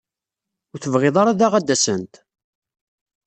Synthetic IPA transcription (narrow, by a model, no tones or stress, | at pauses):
ʊθəvʁɪðˤɑɾaðaʁad̪ːæsənt̪